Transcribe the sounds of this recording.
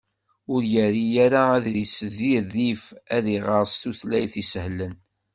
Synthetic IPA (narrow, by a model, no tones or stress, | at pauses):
ʊɾjæɾijæɾaːðɾisəðiɾðifæðiʁəɾˤst̪uθlæjθishlːən